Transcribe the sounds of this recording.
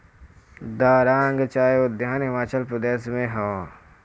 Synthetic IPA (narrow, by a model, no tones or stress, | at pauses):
d̪aːɾãːŋɡt͡ʃaːed̪ʱjaːnɦɪmaːt͡ʃəlpɾəd̪eːsmẽɦaʋa